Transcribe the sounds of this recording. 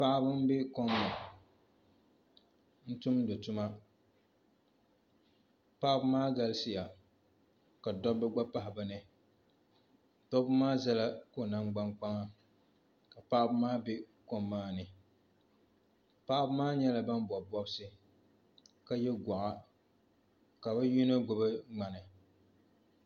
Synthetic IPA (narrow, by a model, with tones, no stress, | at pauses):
pa˦ʔa˦bɨ˦m˦be˦ko˦mːa˨ | n̩˦tʊ˦mdo˨tʊ˦ma˦ | pa˦ʔbɨ˦maː˦ɡa˦lsɪ˦ja˨ | ka˨dɔ˦bɛ˦ɡ͡ba˦pa˦ɦɪ˨ba˨nɨ˦ | tɔ˦bɨ˦maː˦za˦la˦ko˦˨na˦ŋɡ͡ba˦ŋk͡pa˦ŋa˦ | ka˨pa˦ʔbɨ˦maː˦be˦ko˦mːaː˦nɨ˨ | pa˦ʔa˦bɨ˦maː˦ɲɛ˦la˨ba˦nbɔ˨bɔ˦bsɨ˦ | ka˨jɛ˦ɡʷa˨ʔa˦ | ka˨ba˦ji˦no˦ɡʊ˨bɨ˦ŋ͡ma˨nɨ˨